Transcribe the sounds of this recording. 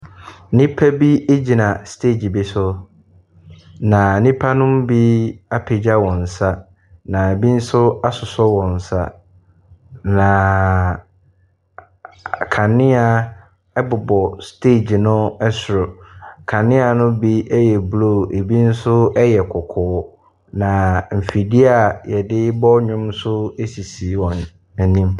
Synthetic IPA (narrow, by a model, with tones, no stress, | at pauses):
nĩ˦pʰa˦bi˦e˦d͡ʑi˨nã˨stʰe˦˨d͡ʑi˨bi˦sʊ˦ | nã˨nĩ˦pʰa˦nʊ̃˦m˦bi˦a˦pʰe˨d͡ʑa˦wɔ̃˨n̩˨sa˦ | nã˨e˨bi˦n̩˦sʊ˦a˦sʊ˨sɔ˦wɔ̃˨n̩˨sa̰˦ | nã˨ | kʰã˨nɪ̃˦a˨ | ɛ˦bʊ˨bɔ˨stʰe˦˨d͡ʑnʊ̃˦ɛ˦sʊ˨ɾʊ˨kʰã˨nɪ̃˦a˨nʊ̃˦bi˦ɛ˦jɛ˨blo˦˨e˨bi˦n̩˦sʊ˦ɛ˦jɛ˨kʰɔ˨kʰɔː˨˦ | nã˨m̩˨fi˨di˦a˨jɛ˨dɪ˦ɪ˦bɔ˦ɲᶣʊ̃˦msʊ˦e˦si˨si˨˦wɔ̃˨n | æ˨nĩ˦m